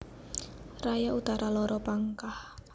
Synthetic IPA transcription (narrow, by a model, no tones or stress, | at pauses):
rajaut̪aɾʔalɔɾɔpaŋkah